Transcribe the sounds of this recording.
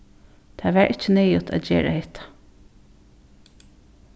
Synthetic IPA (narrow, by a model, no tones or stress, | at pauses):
t̪ʰaʋæɹʔɪt͡ʃːənɛːjʊt̪ʰa̰d̪d͡ʒeːɹa̰hɪht̪ʰḁ